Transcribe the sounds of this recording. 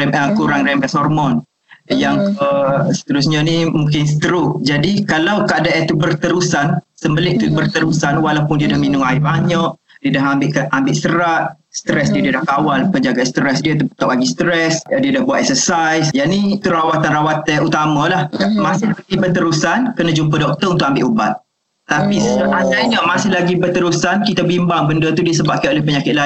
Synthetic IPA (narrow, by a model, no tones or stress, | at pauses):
ɛməkuɾaŋɾɛmɛsɔrmɔn | jaŋkəsə̥t̪əɾusɲanimuŋkɪnsət̪əɾʊʔd͡ʒadikalawkaadaʔɛt̪ubərt̪əɾusansəmbəlɪʔt̪ubərt̪əɾusanwalawpʊndiədahminʊ̃ŋaɪbaɲaʔ | diədaɦambɪʔkambɪʔ̪səɾat̪̚ | st̪ɾɛsdiədiədahkawalpəɲd͡ʒaɡast̪ɾɛsdiət̪upət̪awʔaɡist̪ɾɛsdiədahbuwat̪ɛk̚səsajsjanit̪uɾawat̪anrawat̪əut̪amãlahmãsɪhəɡibərt̪əɾusankənãd͡ʒumpədɔk̚t̪əunt̪ʊk̚ambɪʔubat̪̚ː | apisəʔasaɲəʔmãsɪhlaɡibərt̪əɾusankit̪abimbaŋbəndət̪udiəsəbap̚kajolɛhpəɲakɪt̪̚la